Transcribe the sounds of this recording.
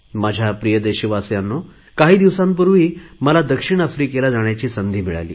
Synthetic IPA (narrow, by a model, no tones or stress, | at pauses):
mad͡ʑʱjapɾijəd̪eɕiʋasjanːo | kaɦiːd̪iʋsãmp̬uɾʋiːməlad̪əkʂiɳ̃əfɾikelad͡zaɳjat͡ɕiːsənd̪ʱiːmiɭa̰lḭː